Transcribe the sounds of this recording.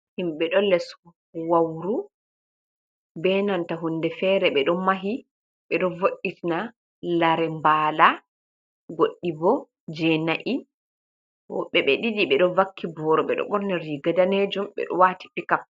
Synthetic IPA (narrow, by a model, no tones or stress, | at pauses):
himɓɛɗɔlɛs | wawɾu | bɛnantaɦundɛfɛːɾɛɓɛɗɔmaɦi | ɓɛɗɔvoɗːitina | laɾɛmbaːla | ɡoɗːibɔ | d͡ʒɛnaʔi | wɔ̰ɓɛɓɛɗiɗiɓɛɗɔvakʰːibɔɾɔɓɛ̰ɗɔ̰ɓɔɾnɛɾiɡadaned͡ʒumɓɛ̰ɗɔ̰wati̥pikam